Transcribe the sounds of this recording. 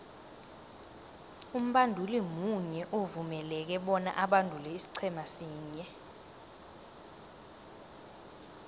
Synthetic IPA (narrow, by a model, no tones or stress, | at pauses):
um̩ɓandʱulimuɲɛʔovumɛlɛk̬ɛɓɔna̰ʔaɓandʱulɛisi̥ǀʰɛmasiːɲɛ